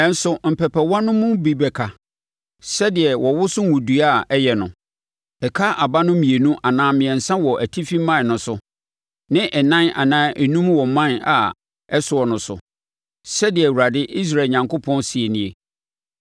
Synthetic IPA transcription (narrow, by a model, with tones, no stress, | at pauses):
ɛ˦n̩˦sʊ˨m̩˨pʰɛ˨pʰɛ˨wã˦nʊ̃˦mʊ̃˦bi˨bɛ˨kʰa˨ | sɛ˦dɪ˨ɛ˨wʔɔ˨wʊ˦sʊ˦n˦wũ˨du˨a˦ɛ˦jɛ˨nʊ̃˨ | ɛ˨kʰa˦a˨ba˦nʊ̃˦mĩ˨e˨nũ˦ʔa˨nãː˦mɪ̃˨ɛ̃˨n̩˨sã˦wɔ˨ʔæ˨tʰi˦fĩ˦mːã˦˨nʊ̃˦sʊ˨ | nɪ̃˦ʔɛ˨nã˦na̰˨nãː˦ʔɛ˨nũ˦mwɔ˨mã˦na̰˨ | ɛ˦sʊ˨ɔ˨nʊ̃˨˦sʊ̰˨ | sɛ˦dɪ˨ɛ˨wu˨ɾa˨dɪ˦ʔi˦s̬ɾa˨ɲã˨ŋkʰo˦pʰɔ̃˦nsi˨e˨nĩ˨e˨